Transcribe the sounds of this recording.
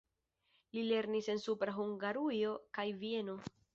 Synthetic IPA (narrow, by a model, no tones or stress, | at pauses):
lile̞ɾnise̞nsupɾaɦuŋɡaɾujo̞kajvie̞no̞